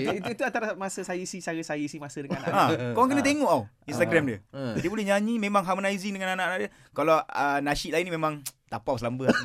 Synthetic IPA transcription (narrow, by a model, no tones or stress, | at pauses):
ituit̪uat̪aɾaamasəsajisisajisajisimasədəŋaana̰ʔãkowaŋk̬ənət̪̬eŋɔʔaw | inst̪aɡɾɛmdədiəbolɛɲaɲĩmẽmãŋɦamonaiziŋdəŋananaʔanaʔdjə | kalawənaʃiʔ̪lainːimẽmãŋt̪apawsəlambə